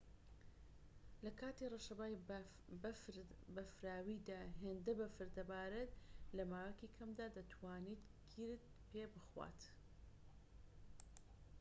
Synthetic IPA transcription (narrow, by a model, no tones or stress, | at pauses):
lɐkʰaːt̪ireʃɐbaːj | bbɐfɾaːwid̪aːɦeːnd̪ɐbɐfɨɾd̪ɐbaːɾɨt̪lɐmaːwɐkiːkʰɐmd̪aːd̪ɐt̪ʰwaːniːt̪ɡiɾd̪̚ | pʰebɨxwa̰ːt̪